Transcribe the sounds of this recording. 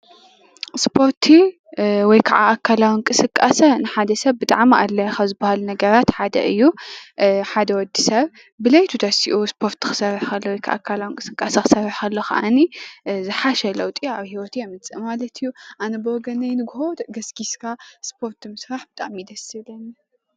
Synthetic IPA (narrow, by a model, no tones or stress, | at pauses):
spʰo̞ɾt̪ʰi | wɔjkʰa̰ʕa̰ːkʰːalawinkʼɨsɨkʼːasɐnɨħad̪ɐsɐβbɨt̪ʼaʕmiʔalːɐjɐxazɨbːahalunɐɡɐɾat̪ħad̪ɐ̰ʔɨjːu | ħad̪ɐwɔd̪ːisɐβ | bɨlɐjt̪ʰut̪ʰɐsiʔuspʰo̞ɾt̪ʰːɨ̥xɨ̥sɐrːħkɐlːowɔjkʰa̰ʔa̰kʰːalawinkʼɨsɨkʼasɐxɨ̥sɐrːɨħɐlːoxɐ̰ʔanizɨħaʃɛlɐwt̪ʼiaβhiwɔt̪ʰiamɨnt͡sʼɨmmalɐt̪ʰɨjːuʔanɐboɡɐnɐjnɨɡhoɡɐsɡiskʰaspʰo̞ɾt̪ʰmɨsɾaħbɨt̪ʼa̰ʕmid̪ɐsɨlɐni